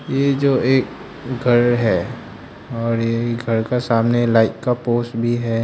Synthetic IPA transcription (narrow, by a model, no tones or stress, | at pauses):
jed͡ʒoːeːk̚ | ɡʱɐɾɦɛː | ɔːɾjeɡʱɐɾkasaːmnelaːɪkkapoːsʈbʱiɦɛ